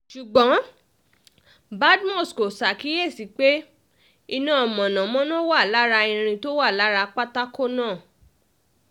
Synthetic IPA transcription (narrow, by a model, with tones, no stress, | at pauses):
ʃu˨ɡ͡bɔ̃˨˦ | ba˦dmɔ˦˨sko˨sa˨ki˨˦je˦˨si˨˦k͡pe˦ | i˧nã˦ɔ˨mɔ̃˨nã˨mɔ̃˦nɔ̃˦wa˦˨la˨˦ɾa˧ĩ˧ɾ̃ĩ˧to˦wa˦˨la˨˦ɾa˧k͡pa˦ta˦ko˦nãː˦˨